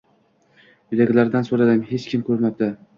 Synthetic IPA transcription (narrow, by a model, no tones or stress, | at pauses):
jɪd̪aɡʲlaɾd̪ansoɾad̪ɪmhet͡ʃkʲʰɪmkʰɵɾmab̚d̪ɪ